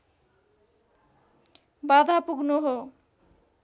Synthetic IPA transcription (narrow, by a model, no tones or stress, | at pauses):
bad̪ʱapuɡnoɦo